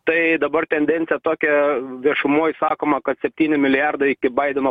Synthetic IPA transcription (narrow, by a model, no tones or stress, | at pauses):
t̪ɐɪd̪ɐbɐrt̪ʲɛnʲd̪ʲɛnt̪sʲɪjɛt̪oːkʲɛʋʲiɛʃʊmoːjsɑːkoːmɐkɐt̪sʲɛpʲt̪ʲiːnʲɪmʲɪlʲɪjɑrd̪ɐɪɪkʲɪbɐɪd̪ʲɛnoː